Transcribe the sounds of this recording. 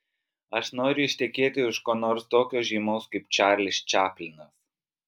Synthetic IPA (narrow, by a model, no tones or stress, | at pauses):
ɐʃnoːɾʲʊɪʃʲt̪ʲɛkʲeːt̪ʲɪʊʃkoːnoːɾst̪oːkʲoːʒʲiːmoʊskɐɪpt͡ʃʲæɾʲlʲɪsʲt͡ʃʲæːpʲlʲɪŋɡɐs